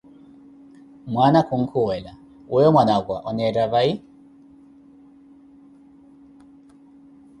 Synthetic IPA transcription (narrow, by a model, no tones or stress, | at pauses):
mwanakuŋ̩kʰuwɛla | ujɔmwanaɡwa̰ʔɔnɛɾaβai